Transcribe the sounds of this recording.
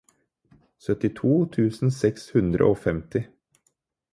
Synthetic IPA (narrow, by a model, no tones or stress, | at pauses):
sœt̪ɪt̪ʰuːt̪ʰʉːsn̩sɛkshʉnd̪ɾə̰ʔoːfɛmt̪ɪ